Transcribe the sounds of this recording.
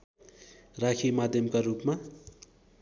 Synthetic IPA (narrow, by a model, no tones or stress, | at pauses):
rakʰimad̪ʱjʌmkarupma